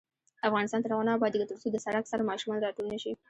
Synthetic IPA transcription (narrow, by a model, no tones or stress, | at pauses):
afɣɑnɪst̪ɑnt̪əɾawɑnɑbɑd̪ikət̪əɾsod̪əsaɽaksaɾamɑʃumɑnɾɑʈulnəʃi